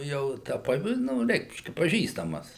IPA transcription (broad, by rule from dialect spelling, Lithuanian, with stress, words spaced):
jɛʊ ˈtɐ ˈpɐ ˈnuː ˈrʲɛɪkʃʲkʲɛ pɐˈʒʲiːstɐmɐs